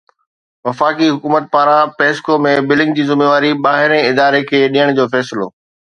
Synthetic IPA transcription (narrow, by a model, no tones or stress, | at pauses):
ʋɐfaːkiɦʊkuːmət̪̚paːɾãpeːskomẽbɪlɪ̃ŋɡ̚d͡ʑiːzɪmeːʋaːɾiɓaːɦɪɾẽɪd̪aːɾekʰeːɗijəɽ̃d͡ʑoːfɛːsɪlo̰ː